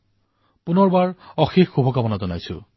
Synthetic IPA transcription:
punɔɹbaɹɔxixxubʱɔkabɔnazɔnajsʊ̰

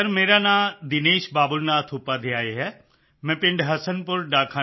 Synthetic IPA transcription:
ɐɾmeːɾanãːd̪ɪneːʃbaːbʊlnaːt̪ʰʊpad̪ʱeaːeɦɛ | mɛ̃ːpɪ̃ɳɖɦɐsənpʊɾɖaːkʰaː

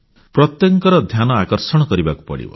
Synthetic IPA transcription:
pɾɔt̪jɔŋkɔɾɔd̪ʱjanɔakɔɾsɔɽ̃ɔkɔɾibaku̥pɔ̰ɽḭbɔ̰

